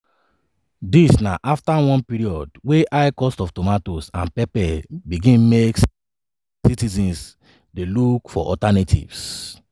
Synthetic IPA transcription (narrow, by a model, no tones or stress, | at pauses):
disnaʔaftawɔ̃npiɾiɔdweʔaɪkɔstɔftɔmatosãnpɛpɛbiɡĩnmek | sitizĩns | delukfɔ̰ʔɔ̰tanetʰḭvs